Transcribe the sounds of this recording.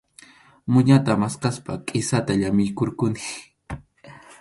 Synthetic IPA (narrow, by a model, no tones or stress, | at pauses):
mʊɲat̪amasqaspakʼɪsat̪aʎamɪjkoɾkʊnɪ